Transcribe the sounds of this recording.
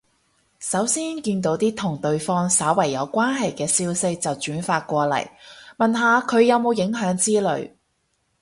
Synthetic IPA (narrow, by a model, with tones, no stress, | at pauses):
sɐ˨˥wsiː˥nkiː˧nt̪̬o˨˥wt̪iː˥t̪ʰʊ˨˩ŋt̪ɵ˧ɥfɔː˥ŋsaː˨˥wɐ˨˩jːɐ˨˧wkʷaː˥nɦɐ˨jkɛː˧siː˥wsɪ˥k̚t͡sɐ˨wt͡ʃyː˨˥nfaː˧t̚kʷɔː˧lɐ̰˨˩jmɐ˨nɦaː˨kʰɵ˨˧ɥjɐ˨˧wmo˨˧wjɪ˨˥ŋɦœː˨˥ŋt͡siː˥lɵ̰˨˧˩ɥ